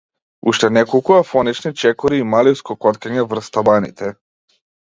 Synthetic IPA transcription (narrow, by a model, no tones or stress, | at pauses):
uʃt̪ɛnɛkɔlˠkuafɔnit͡ʃnit͡ʃɛkɔɾiːmaliskɔkɔt̪kaɲɛvr̩st̪abanḭt̪ʰɛ